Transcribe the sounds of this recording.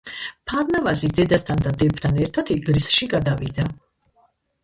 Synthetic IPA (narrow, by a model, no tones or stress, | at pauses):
pʰaɾnavazid̪ɛd̪ast̪ʰand̪ad̪ɛpt̪ʰanɛɾt̪ʰat̪ʰiɡɾisʃiɡad̪avid̪a